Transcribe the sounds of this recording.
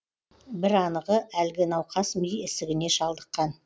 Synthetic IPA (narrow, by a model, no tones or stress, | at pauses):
bɪɾɑnəʁəʔælɡʲɪnɑwqʰɑsmijɪsɪɡʲɪne̞ʃɑlˠd̪əqːɑn